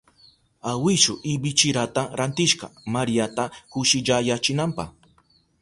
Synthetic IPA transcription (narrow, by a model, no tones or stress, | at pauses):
awɪʃʊʔɪbɪt͡ʃɪɾat̪aɾant̪ɪʃɢɑ̰maɾijat̪akʊʃɪʎajat͡ʃɪnampɑ̰χ